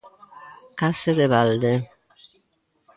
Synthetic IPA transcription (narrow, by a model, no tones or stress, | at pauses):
kased̪eβald̪e